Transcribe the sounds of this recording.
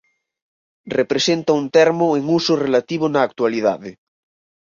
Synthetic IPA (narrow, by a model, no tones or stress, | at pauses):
repɾesent̪aunt̪eɾmoeŋusorelat̪iβ̞onaːk̚t̪walið̞a̰ðe